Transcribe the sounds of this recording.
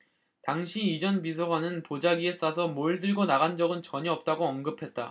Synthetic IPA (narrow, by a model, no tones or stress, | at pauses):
taŋɕʰiːd͡ʑʌnbis̬ʰoɦanɯnpod͡ʑaɡie̞s͈asʰʌmoɭdɯɭɡonaɣand͡ʑʌɡɯnt͡ɕʌɲiʌp̚t͈aɡoʌnɡɯpʰe̞t̚t͈a̰